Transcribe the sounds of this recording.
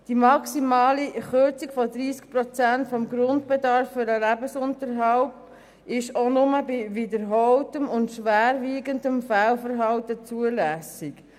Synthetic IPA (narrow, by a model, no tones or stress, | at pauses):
d̥imɑksimɑːliχøt͡sikfɔdɾiːskpɾɔt͡sæntfɔmɡɾʊndb̥ɛdɑɾfːʏɾəlæbəsʊntəɾɦaʊp | ɪʃonʊməbivɪdəɾɦɔltəmʊntʃʋæːɾviːɡəndəmfælfəɾɦɑltət͡suəlæsɪk